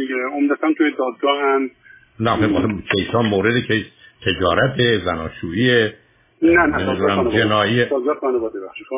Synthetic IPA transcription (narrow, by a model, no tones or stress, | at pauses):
d̪iɡeomd̪æt̪ænt̪ʰujed̪ɒːd̪̚ɡɒːhænd̪ | næxeɒsekʰejsɒːnmoːɾed̪ekʰejt̪ʰe̞d͡ʒɒːɾæt̪ʰezænɒːʃuːiːe | næemid̪uɾæmd͡ʒenɒːʔiːesɒɡæɒːnebɒd̪ebæʃ